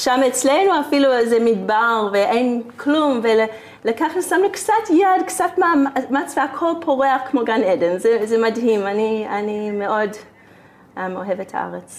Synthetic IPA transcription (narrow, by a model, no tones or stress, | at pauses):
ʃamet͡slejnuafiluzɛmidbaʁveʔejnkʰlumvel | lakaχnusamnukt͡satjadkt͡satmammat͡sveakʰolpʰoʁeaχkmoɡanedenzɛzɛmadɦimanianimeo̞d | ʔamoɦevetha̰a̰ʁet͡s